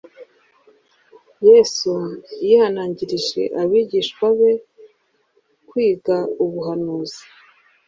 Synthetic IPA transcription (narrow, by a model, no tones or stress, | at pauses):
jesujihanaːɲɟiɾiʒḛʔaβiːɟiːʃkwaβe̞ | kwiːɡauβuɦanuːzi̥